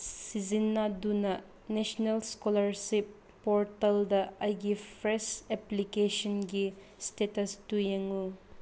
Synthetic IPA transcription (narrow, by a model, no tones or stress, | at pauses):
sizinːadunɐ | nesɔnelskolɐɾsipː | ɔɾtɐldɐɐjɡipʰɾesɛplikesɔnɡi | stetɐstujeŋu